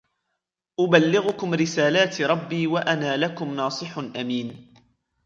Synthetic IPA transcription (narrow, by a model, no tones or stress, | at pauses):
ʔʊbalːɪɣʊkʊmɾɪsaːlaːt̪ɾˤɑbːiːwaʔanaːlakʊmnɑːsˤɨħnʔamiːn